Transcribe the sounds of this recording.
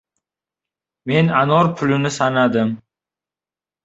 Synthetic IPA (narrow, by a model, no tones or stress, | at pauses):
me̞nanɒɾpʰʊlɪnɪsanad̪ɪm